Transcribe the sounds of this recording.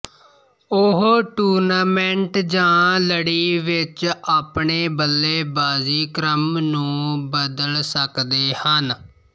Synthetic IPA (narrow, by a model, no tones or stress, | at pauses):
ʊɦʈuːɾnaːmɛ̃ɳʈd͡ʒãːləɽiːʋɪt͡ʃaːpɳeːbəlːeːbaːziːkɾəmnũːbəd̪əlsəkd̪eːhən